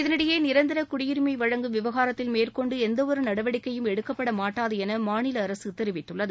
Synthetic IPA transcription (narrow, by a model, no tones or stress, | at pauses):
ɪðɐnɪɽɐjeːnɪɾɐnd̪ɪɾɐkʊɽɪjɪɾɯmɐɪʋɐɻɐŋɡɯʋɪʋɐɣaːɾɐt̪ːɪlmeːrkɔɳɖɯɛnd̪ɐʋɔɾɯnɐɽɐʋɐɽɪkːɐjɯmɛɽɯkːɐpːɐɽɐmaːʈːaːðɯɛnɐmaːnɪlɐːɾɐsɯt̪ɛɪɾɯʋɪt̪ːɯɭːɐðɯ